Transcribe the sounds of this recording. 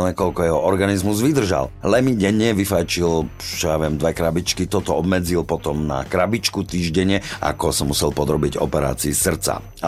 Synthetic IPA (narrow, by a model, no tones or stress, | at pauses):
lɛŋkɔʎkɔjɛɦɔʔɔɾɡanizmuzʋid̪r̩ʒa̰llɛmiɟɛɲɛʋifajt͡ʃilt͡ʃɔjaʋɪɛmd̪ʋɛkɾabit͡ʃkit̪ɔt̪ɔɔbmɛd͡zilpɔt̪ɔmna̰kɾabit͡ʃkut̪iːʒɟɛɲɪɛʔa̰kɔsɔmːusɛlpɔd̪ɾɔbiɟɔ̰pɛɾa̰ːt͡siːsr̩t͡sa̰